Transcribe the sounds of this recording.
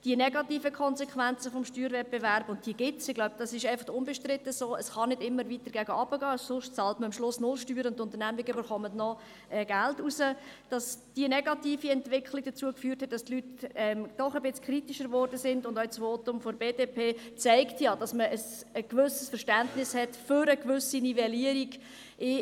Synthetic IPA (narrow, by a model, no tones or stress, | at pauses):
d̥iənɛɡɑtiːfəkʰɔnzɛkχʋænt͡səfɔmʃtyːɾvɛt̚b̥evæɾb̥ʊnt̚d̥iːəɡ̥ɪtsɪɡ̥laʊb̥̚d̥ɑsɪʃɛɪfɑχtʊnbɛʃtɾɪtːəsoːəsχɑnɪdɪmːəɾvitəɾɡ̥æɡəɑb̥əɡɑːsʊʃtt͡sɑltməɑmʃlʊsnʊlʃtyːɾəʊntːʊnt̪əɾnæmiɡəybəχɔmətnɔ | ʔɛːɡ̥æltusəd̥ɑsd̥iənɛɡɑtiːfiɛntvɪkχliɡ̥̚d̥ət͡suəkfyːrthɛt̚d̥ɑstlytɛmd̥ɔχəbɪt͡skʰɾitiʃəɾvɔrdəsɪndʊndœsʋoːtʊmfɔɾbeːdeːpʰeːt͡sɛɪktjɑːd̥ɑsməʔəs | əɡvʏsəsfəɾʃtæntnɪshɛtfʏɾəkvʏsinivɛliəɾiɡ | ʔɪ